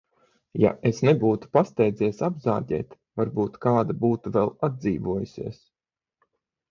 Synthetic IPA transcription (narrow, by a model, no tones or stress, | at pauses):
ja̰ʔesnebuːt̪u̥past̪ɛjd̪ziɛsabza̰ːɟɛ̰ːt̪ | vaɾbuːt̪kaːd̪abuːt̪uvɛlˠad̪̚ziːvuɔjusʲḭɛs